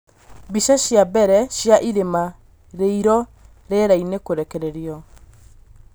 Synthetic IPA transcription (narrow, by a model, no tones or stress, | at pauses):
biʃaɕjabɛɾɛɕjaʔiɾema | ɾeiɾɔ | ɾeɾainekoɾɛkɛɾɛɾiɔ